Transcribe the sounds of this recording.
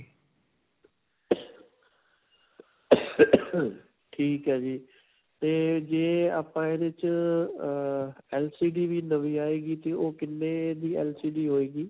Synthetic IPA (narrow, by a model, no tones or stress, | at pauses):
ʈʰiːkɦaːd͡ʒiː | t̪eːd͡ʒẽːaːpãːẽd̪ɪt͡ʃ | ɛːlsiːɖiːʋiːnəʋiːaːeːɡiːt̪eːoːkɪnːed̪iːɛ̰ːlsiːɖiːɦoːeːɡiː